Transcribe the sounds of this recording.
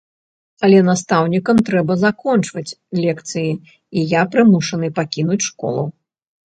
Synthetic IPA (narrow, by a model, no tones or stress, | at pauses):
ɐlʲɛnast̪awnʲikɐmt̪ɾɛbɐzakɔnt͡ʂvɐt͡sʲ | lʲɛkt̪sɨji | ijapɾɨmuʂɐnɨpakʲin̪ut͡sʲʂkɔ̰lˠɐw